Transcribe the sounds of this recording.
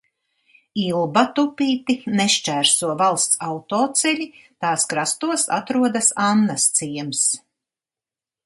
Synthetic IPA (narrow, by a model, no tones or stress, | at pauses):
ilˠbat̪upiːt̪ineʃt͡ʃæːɾsuɔvalˠst̪sawt̪ɔːt̪sɛʎʲit̪aːskɾast̪uɔsa̰t̪ɾuɔd̪asanːast̪siɛms